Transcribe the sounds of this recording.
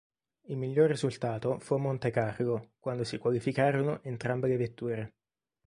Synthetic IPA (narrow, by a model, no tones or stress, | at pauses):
ilmiʎːorːizult̪aːt̪ofumːont̪ekarɡokwand̪osikwalifikaːɾonoʔent̪ɾambelevet̪ːuːɾe